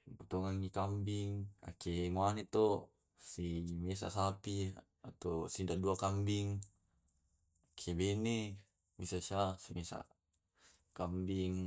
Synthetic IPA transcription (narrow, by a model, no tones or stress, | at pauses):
put̪oŋaŋikambiŋa̰kːemoanet̪o | simes̬a̰sapi | at̪osindaduakambiŋ | akʰebene | misasasimesa̰ | kambiŋ